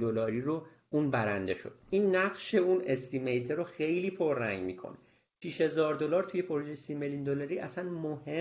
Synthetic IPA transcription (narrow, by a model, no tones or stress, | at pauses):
d̪olɒːɾiɾo | unbæɾænd̪e̞ʃo̰d̪̥ʔinːæʁʃe̞unest̪ʰimejt̪ʰeɾoxejliːpʰo̞ɾːæŋɡɟmikʰo̰n | ʃiʃhe̞zɒːɾd̪o̞lɒːɾt̪ʰuje̞pʰo̞ɾuʒejesimeljund̪olɒːɾiːʔæsænmohe̞